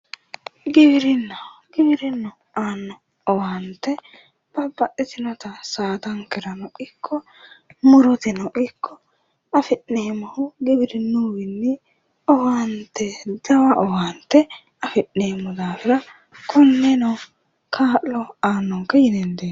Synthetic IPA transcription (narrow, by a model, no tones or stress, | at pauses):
ɡɪbɪɾɪnːɐɡɪbɪɾɪnːɔ | aːnːɔ | ɔwaːnt̪ːɛ | b̥ɐbɐʔɪt̪ɪnɔt̪ɐsaːt̪ɐŋkɛɾɐnɔʔɪkʰːɔ | mʊɾɔt̪ɪnɔʔɪkːɔ | ɐfɪʔneːmɔhʊɡɪbɪɾɪnːuwɪnːɪ | ɔwaːnt̪ːɛd̪ɐwɐʔɔwaːnt̪ːɛ | ɐfɪʔneːmːɔd̪aːfɪɾɐ | kɔnːɛnɔw | kʰaːʔlɔaːnːɔŋkːɐjɪnɛnd̪eː